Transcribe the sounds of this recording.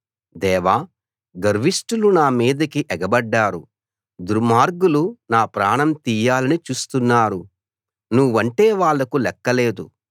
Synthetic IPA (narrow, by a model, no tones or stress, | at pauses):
d̪ɛːʋaː | ɡɐɾʋisʈulunaːmiːd̪ɐkiʔɛɡɐbɐɖːaːɾu | d̪uɾmaːɾɡulunaːpɾaːɳɐmt̪iːjaːlɐnit͡ʃuːst̪unːaːɾu | nuʋːɐɳʈeːʋaːɭːɐkulɛkːɐleːd̪ṵ